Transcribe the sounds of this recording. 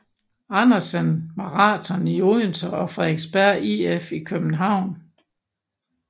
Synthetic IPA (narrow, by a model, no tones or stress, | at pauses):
ɑnɐsənmɑ̈ʁɑ̈ːt͡sʰɒnioent͡sʰɒɒfʁɛeɡ̥sb̥æɐ̰iefikʰøb̥n̩ɦɑ̈ʊ̰n